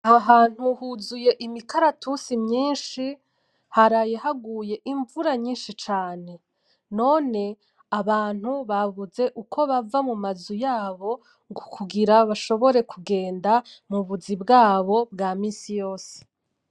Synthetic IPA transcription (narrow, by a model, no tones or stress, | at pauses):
aɦaːn̥huhuzuje̞ʔimikaɾatusimɲiːnʃi | haɾaje̞haɡuːje̞ʔiɱvuɾaɲiːnʃit͡ʃaːne̞ | no̞ːne̞ | aβaːn̥huβaβuze̞ʔukʰo̞βavamumazujaːβo̞ | ŋɡukʰuɡiɾaβaʃo̞βo̞ɾe̞kuɡe̞ːndamuβuzibɡaːβo̞bɡaːmiːnsijo̞ːse̥